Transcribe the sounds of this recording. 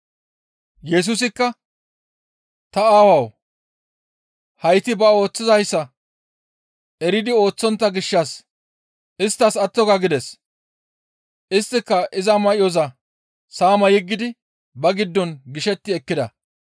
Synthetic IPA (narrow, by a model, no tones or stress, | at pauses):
jɛs̬ʊs̬ɪkːɐ | t̪ɐaːwɐw | hɐjt̪ɪbɐo̞ːt͡sːɪzɐjsːɐ | ɛɾɪd̪ɪo̞ːt͡sːɔnt̪ːɐɡɪʃːɐs | ɪst̪ːɐsɐt̪ːɔɡɐɡɪd̪ɛs | ʔɪst̪ːɪkːɐʔɪzɐmɐʔɪjɔzɐ | saːmɐjɪɡːɪd̪ɪ | bɐɡɪd̪ːɔnɡɪʃɛt̪ːɪɛkːɪd̪ɐ̰